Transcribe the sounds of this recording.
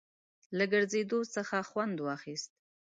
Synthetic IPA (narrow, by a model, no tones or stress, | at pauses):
laɡəɾzed̪osəxaxwand̪wɑxist̪̚